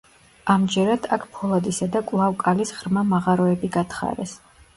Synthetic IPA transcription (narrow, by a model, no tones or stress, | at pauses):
amd͡ʒɛɾad̪̥akʰpʰɔlˠad̪isad̪akʼwlˠavkʼalisʁɾmamaʁaɾɔɛbiɡat̪ʰχa̰ɾɛs